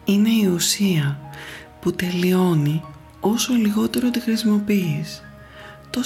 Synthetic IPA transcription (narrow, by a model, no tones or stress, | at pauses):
ine̞iusiɐ | put̪e̞lio̞ni | o̞so̞liɣo̞t̪e̞ɾo̞t̪ixɾisimo̞piːs | t̪o̞